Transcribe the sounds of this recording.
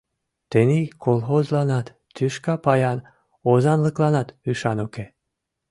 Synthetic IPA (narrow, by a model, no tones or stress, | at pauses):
t̪enikʰolxozlɑnɑt̪ː | yʃkɑpɑjɑn | ozɑnləklɑnɑt̪yʃɑnuke